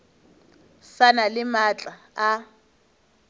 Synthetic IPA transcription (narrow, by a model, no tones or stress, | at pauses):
sanalɪmat͡ɬʼa | a